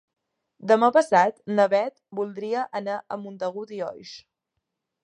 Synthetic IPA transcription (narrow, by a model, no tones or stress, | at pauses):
d̪əmapəsat̪nəβɛt̪̚bulˠd̪ɾiəʔənaʔəmunt̪əɣut̪iɔ̰jʃ